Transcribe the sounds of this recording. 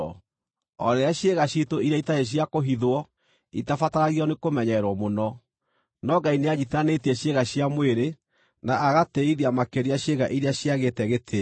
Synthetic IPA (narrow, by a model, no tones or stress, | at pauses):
ɔ̰ɾɛaɕjeɣaɕitoiɾeaitaeɕ̬iakoɦiðwɔ | itafataɾaɣiɔnekomɛɲɛɾwɔmonɔ | nɔɡaineaɲitanetiɛɕjeɣaɕjamweɾe | naʔaɣateiɾiamakeɾiaɕeɣaʔiɾeaɕiaɣetɛɣetʰe